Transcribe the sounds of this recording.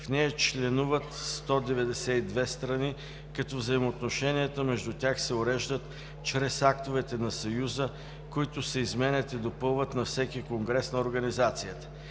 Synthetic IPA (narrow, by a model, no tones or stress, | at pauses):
fnɛɛt͡ʃlɛnuvət̪st̪ɔd̪ɛvɛd̪ɛsɛid̪vɛst̪ɾɐni | kɐt̪ɔvzəimoːt̪noʃɛnijət̪əmɛʒd̪ut̪ʲjaxsɛoɾɛʒd̪ət̪ | t͡ʃɾɛsakt̪ovɛt̪ɛnɐsɐjuzə | koit̪ʊsəizmɛnʲɛt̪id̪opɤlˠvət̪nɐfsɛkikoŋɡɾɛsnɐoɾɡɐnizat̪sijət̪ə̥